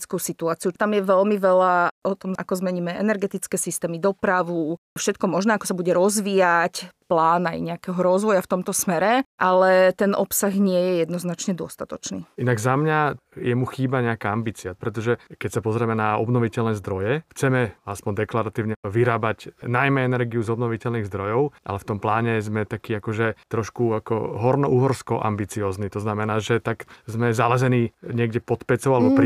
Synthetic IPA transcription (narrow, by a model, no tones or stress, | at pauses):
t͡skusit̪uaːt͡siut̪amjɛʋɛlmiʋɛlaʔɔt̪ɔmʔa̰kɔzmɛɲiːmɛʔɛnɛɾɡɛt̪it͡skɛːsist̪ɛːmid̪ɔpɾaʋufʃɛt̪̚kɔmɔʒnɛːakɔ̥sabuɟɛɾɔzʋiːjacplaːna̰jɲɛakɛɦɔɾɔzʋɔjaft̪ɔmt̪ɔsmɛɾɛʔalɛt̪ɛnʔɔ̰psaɣɲɪɛjɛjɛd̪nɔznat͡ʃɲɛd̪ʊɔst̪at̪ɔt͡ʃnḭinaɡzamɲajɛmuxiːbaɲɛakaambiːt͡siapɾɛt̪̬ɔʒɛkɛcsapɔzɾɛmɛnaɔ̰bnɔʋicɛlnɛːzd̪ɾɔjɛxt͡sɛmɛaspɔɲd̪ɛklaɾat̪iːʊɲɛʋiɾaːbacnajmɛɛnɛɾɡiuzɔbnɔʋicɛlniːɣzd̪ɾɔjɔʊʔa̰lɛft̪ɔmplaːɲɛzmɛt̪akiːakɔʒɛt̪ɾɔʃkuakɔ̰ɦɔɾnɔʔuːɦɔɾskɔʔa̰mbit͡siɔːznit̪ɔznamɛnaːʒɛt̪aɡzmɛzalɛzɛniːɲɪɛɡɟɛpɔt̪pɛt͡sɔʊalɛbɔpɾi